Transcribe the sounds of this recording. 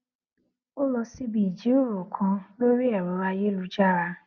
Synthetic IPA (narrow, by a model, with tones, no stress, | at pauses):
o˦lɔ˧si˦bi˨d͡ʒi˨˦u˦˨ɾo˨kʰã˧lo˦ɾi˦ɛ˨ɾɔ˨˦ɾa˧je˦lu˧d͡ʒa˦˨ɾa˧